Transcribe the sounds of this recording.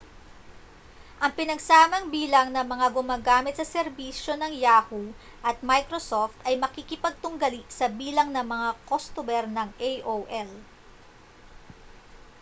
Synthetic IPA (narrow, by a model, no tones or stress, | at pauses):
ʔɐŋpɪnɐɡsaːmɐŋbiːlɐŋnɐmɐŋaɡʊmaːɡaːmɪt̪sɐsɛɾbiːʃo̞nɐŋjaːhu | ʔɐt̪̚majkɾosoft̪ɐjmɐkikɪpɐɡ̚t̪ʊŋɡɐliʔsɐbiːlɐŋnɐmɐŋakost̪ʊmɛɾnɐŋʔejʔoʔɛl